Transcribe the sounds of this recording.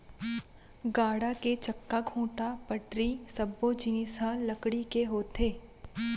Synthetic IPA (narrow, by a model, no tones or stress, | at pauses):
ɡaːɽaket͡ʃɐkːaɡʱũːʈapəʈɾisɐbːod͡ʒɪnɪsalɐkɽikeɦoːt̪ʰeː